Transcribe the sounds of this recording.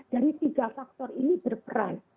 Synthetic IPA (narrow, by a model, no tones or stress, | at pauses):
d̥aɾit̪iɡafak̚t̪ɔrinibərpəɾa̰n